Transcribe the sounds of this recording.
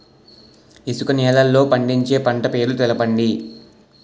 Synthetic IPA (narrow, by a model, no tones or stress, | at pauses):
isukɐnɛːlɐlːo̞ːpɐɳɖiɲt͡ʃe̞ːpɐɳʈɐpe̞ːɾulut̪ɛlɐpɐɳɖi